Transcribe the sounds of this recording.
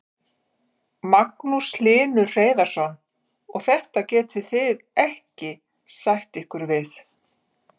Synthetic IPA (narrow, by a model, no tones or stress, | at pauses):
maknuslɪːnʏr̥eːjðaɾ̥sɔn | ɔɣθɛht̪acɛːt̪ɪθɪðɛhcɪ | sajht̪ɪhkʏɾvɪθ